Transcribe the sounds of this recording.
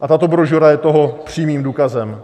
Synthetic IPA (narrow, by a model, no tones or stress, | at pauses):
ʔat̪at̪o̞bɾoʒoɾajɛt̪oɦopr̝̥iːmiːmduːkazɛm